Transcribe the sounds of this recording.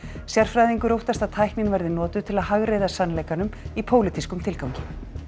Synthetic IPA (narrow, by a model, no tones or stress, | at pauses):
sjar̥fɾajðiŋkʏɾowht̪ast̪aðt̪ʰajknɪnvɛɾðɪnɔːt̪ʏt̪ʰɪlaðhaɣɾeːjðasanːleːjkanʏmipʰoːwlɪt̪ʰiskʏmt̪ʰɪlkawcɪ